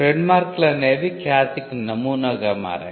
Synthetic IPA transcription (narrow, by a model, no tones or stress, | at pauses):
ɾeɳɖmaːɾklɐneːʋikjaːsiknɐmuːnɐɡɐma̰ːɾɐ̰